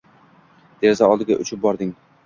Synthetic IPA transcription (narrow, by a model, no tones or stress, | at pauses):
d̪̥e̞ɾzaɒlˠd̪ɪɡʲa̰ʔʊt͡ʃʰɪp̚bɒɾd̪ɪŋ